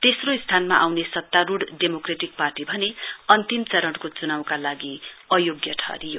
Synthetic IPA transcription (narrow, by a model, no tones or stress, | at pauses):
t̪esroist̪ʰanma̰ʔawnesʌt̪ːaɾuɽɖemokreʈik̚parʈibʱʌneʌnt̪imt͡sʌɾʌɽkot͡sunawkalaɡiʌjoɡjʌʈ̪ʰʌ̰ɾijo̰